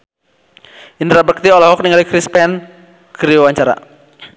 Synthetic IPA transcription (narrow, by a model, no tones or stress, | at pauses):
ʔind̪ɾabək̚t̪iɔlaɦɔk̚niŋalikɾispɛn | kəɾiwaɲt͡ʃaɾa̰